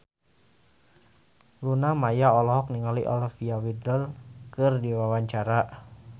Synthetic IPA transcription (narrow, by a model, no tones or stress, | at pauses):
lunamajaɔlɔɦɔk̚niŋaliʔɔ̰lafiawidɔlkɨrdiwawaɲt͡ʃaɾa